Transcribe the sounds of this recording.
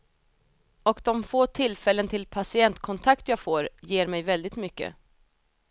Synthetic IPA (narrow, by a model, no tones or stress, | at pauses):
ɔkd̪ɔmfoːt̪ʰɪlːfɛlːənt̪ʰɪlpʰasɪɛnt̪kʰɔnt̪ʰakt̪jɑːɡfoːɾjeːɾmɛjvɛld̪ɪt̪mʏkːə̰